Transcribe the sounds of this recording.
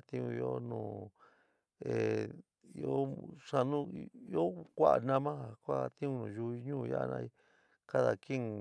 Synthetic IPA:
t̪ĩ˧ũ˧i˧o˧nũː˧˨ | e˨ | i˧o˦ʂa˧nũ˦i˧o˦kʷa˦ʔa̰˨nã˧mã˦a˨kʷa˦˧t̪ĩ˦ũ˦˧nũː˨ʒu˧˦i˧˦ɲũː˦˨˧ja̰˦˧nã̰˧i˧ | ka˦ða˨ki˦ŋ˧

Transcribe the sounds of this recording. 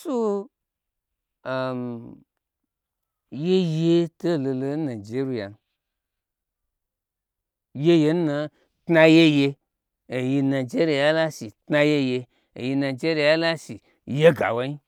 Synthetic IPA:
su˦ | a˨m | je˦je˦to˦˨lo˧lo˧˦nã˨d͡ʒe˨˦ɾu˧ja̰˨n | je˦je˧˦n˦na˧ | tna˧je˦je˧ | e˨ji˧nã˨d͡ʒe˦ɾu˧˨ja˦la˦si˨tna˧je˦je˧ | ḛ˨ji˧nã˨d͡ʒe˦ɾi˧ja˦la˦si˨ | je˦ɡa̰˨wa˦i˦

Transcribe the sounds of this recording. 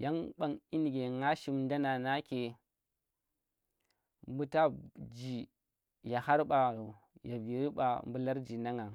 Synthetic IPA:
ja˦ŋɓa˨ŋi˦n˨ɡe˨ŋa˦ʃi˨mnda˦na˨na˦ke˨ | mbu˦ta˦d͡ʒi˨ | ja˨ha˦ɾɓa˨ | ja˨vi˨ɾi˦ɓa̰˨mbu˦la˦ɾd͡ʒi˨na˦ŋa˨

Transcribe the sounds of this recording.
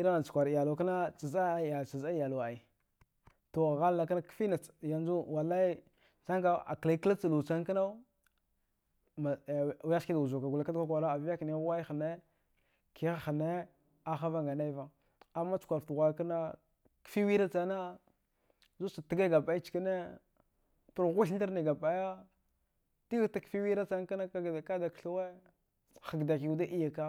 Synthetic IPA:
i˦ɾa˦na˨t͡ʃu̥˨kʷa˨ɾja˨lo˨ka˦na˦t͡ʃa˨za˦˨ja˨t͡ʃa˨za˦ja˨la˨i˨ | to˨ɣa˦lla˨ka˦na˦kfi˦na˨ja˨nd͡ʒu˦wa˨la˦i˦ | t͡sa˦ŋka˦a̰˨kla˨i˦kla˦t͡sa˨lu˨t͡sa˦ŋka˦na˦ | ma˨wja˦ki˦da˨u˨zu˨ka˨ɡu˨la˨˦ka˦dka˦kʷa˨ɾa˦a˨vja˦kn˦wa˦i˦xə˨ne˦ | kʰi˦xa˦xə˨ne˦ | a˦xa˦va˦ŋɡa˨na˦i˦va˨ | a˨mːa˦t͡su̥˨kʷa˨ɾftu˨ɣʷa˨˦ka˦na˦ | kfi˦wi˦ɾa˦t͡sa˦na˦ | zu˦t͡ʃa˨ti˦ɡa˦ɡa˨pa˨i˦t͡ʃka˦ne˦ | tu˨ɾɣu˦ɬn˦i˦ɾni˨ɡa˨pa˨ja˦ | ti˦ɣta˦kfi˦wi˦ɾa˦t͡sa˦ŋka˦na˦˨ka˦da˨kɬa˦we˦ | xa˨ɡda˨ki˨u˨˦da˦ʔi˦ja˨ka˦

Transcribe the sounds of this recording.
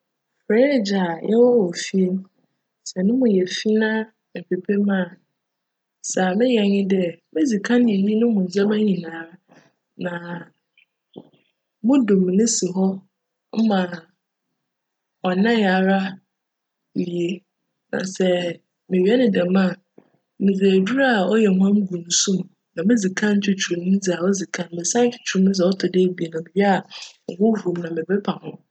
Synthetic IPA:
fɾɛ˦˨d͡ʑa˨jɛ˦wɔ˦wɔ˨fi˦ | sɛ˨nʊ̃˦mʊ̃˨jɛ˨fi˦nã˦ | mɪ˨pʰe˨pʰe˦mã˦˨ | sa˨mɪ̃˦jɛ˨ɲɪ̃˦dɛ˦mɪ̃˦d͡zi˨kʰã˦n˦ɪ̃˨nĩ˦nʊ̃˦mʊ̃˨d͡za˦mã˦ɲĩ˨nãː˨˦ | nã˨ | mʊ̃˦dʊ̃˨mɪ̃˨nɪ̃˦sɪ˨ɦɔ˦ | m̩˦mã˨ | ɔ˨nã˦ja˨ɾa˦˨ | i˨e˨ | nã̰˨sɛ˦ | mɪ̃˨ɥi˨˦ɛ˦nɪ̃˨dɛ˨mã˦˨ | mɪ̃˨d͡zæ˨du˦ɾa˦a˨ɔ˦jɛ˨ɦʊ˦ã˦m˦ɡũ˨nu˨sũ˦m̃˨ | nã˨mɪ̃˦d͡zi˨kʰã˦ɲ̩˦t͡ɕʰᶣɪ˦t͡ɕʰu˨ɾũ˨m˦d͡zi˨a˨ɔ˦d͡zi˨kʰã˦n˦mɪ̃˨sã˦ɲ̩˦t͡ɕʰᶣɪ̥˨t͡ɕʰᶣu˨ɾʊ˦ʊ̃˦s̬ɛ˨ɔ˦tʰʊ˨de˦bi˨e˨nã˨bɪ˨bi˦a˦˨ŋ̩˨ɡʊ̃˦ɦu˨u˨m˦nã˨mɪ̃˨bɛ˦pʰa˨hʊ̰̃˦

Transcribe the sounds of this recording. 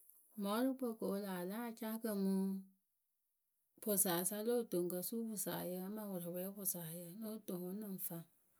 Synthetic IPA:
mɔ˨˦ɾɨ˦po˦˨ko˨˦laː˨la˦˨t͡ʃa˦kə˧mu˦ | pʊ˨saː˨sa˦lo˦˨to˨ŋkə˨su˦bʊ˨sa̰˨jə˧a˦ma˦wʊ˨ɾɨ˨wɛ˦bʊ˨saː˨jə˦˨˦no˦˨to˨ŋo˦nɨ˦n˨fa˦ŋ

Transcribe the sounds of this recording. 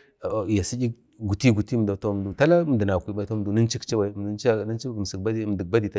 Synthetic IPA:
ja˨si˦d͡ʒi˦k̚ | ɡu˨ti˦ɡu˨ti˦˨da˨to˦˨m˨du˨ta˦la˦m˨də˨na˨kʷi˦ɓa˨˦to˦˨du˨ni˦n˦t͡ʃi˦kt͡ʃi˦wa˨˦m˨də˨˦n˦t͡ʃa˦˨na˦t͡ʃi˦˨m˨si˨kba˦di˦m˨də˨k̚ba˦di˨ta˦

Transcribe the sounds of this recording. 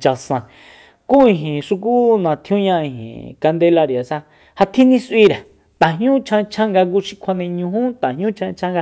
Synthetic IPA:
t͡ʃa˧sã˧ | ku˦ĩ˧ɦĩ˨ʂu˧k̬u˦nã˨t̪ʰj̃ũ˦ɲã˧ĩ˧ɦḭ̃˨ka˧nd̪e˧la˧ɾi˨a˨sa˧ | ha˧t̪ʰĩ˦nĩ˦sʔi˦˧ɾe˨ | t̪ã˨ɦɲũ˦t͡ʃʰã˧t͡ʃʰã˦ŋɡa˧k̬u˧ʃi̥˧kʷʰa˧nẽ˧ɲũ˧ɦũ˦t̪ã˨ɦɲũ˦t͡ʃʰã˧t͡ʃʰã˦ŋɡa˧

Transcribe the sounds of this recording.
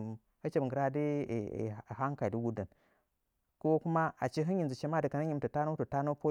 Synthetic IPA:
ə˦t͡ʃe˦bɡə˨ɾa˦dḭ˦˨ | ɦa˦ŋka˨i˨di˦ɡu˦də˨n | ko˦ku˦ma˦a˨t͡ʃi˦ɦi˦nji˨nzi˨t͡ʃe˦ma˦di˨ka˨na˦ɲi˦m˦tə˨ta˦no˦tu˨ta˦no˦po˦

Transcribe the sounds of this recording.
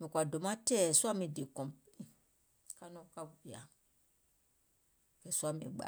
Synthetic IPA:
mĩ˨kʷa˨do˨˦mã˦tɛ˦˨su˦a˦mĩ˧˨de˨kɔ̃˨ | ka˦nɔ̃˦ka˦˨i˨a̰˨ | kɛ˨su˦a˦˨mĩ˧˨ɡ͡ba̰˨˦

